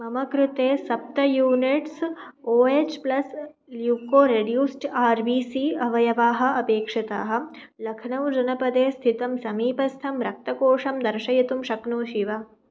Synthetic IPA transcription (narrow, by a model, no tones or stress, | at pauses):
mɐmɐkɾut̪eːsɐp̚t̪ɐjuːniʈsoːeːt͡ʃplɐs | ljuːkoːɾeɖjuːsʈaːɾʋiːsiːɐʋɐjɐʋaːɦɐ̆ɐpeːkʂɐt̪a̰ːɦɐ̆ | lɐkʰnɐʋd͡ʒɐnɐpɐd̪eːst̪ʰit̪ɐmsɐmiːpɐst̪ʰɐmɾɐk̚t̪ɐkoːʂɐmd̪ɐɾʃɐjɐt̪umʃɐknoːʃiʋɐ